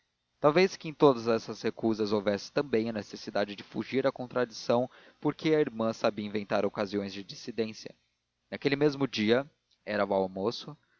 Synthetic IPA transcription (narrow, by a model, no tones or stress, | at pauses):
t̪awveskɪẽj̃t̪od̪ɐzɛsɐshekuzɐzowvɛsɪ̥t̪ɐ̃bẽj̃ɐnesesid̪ad͡ʒɪd͡ʒɪfṵʒiɾɐkõnt̪ɾad͡ʒisɐ̃w̃ | poɾkʰeɐiɾmɐ̃sabiɐĩvẽnt̪aɾokaziõj̃zd͡ʒɪd͡ʒisid̪ẽsjɐ̰ | nakelɪmezmʊd͡ʒiɐ | ɛɾɐwawmosʊ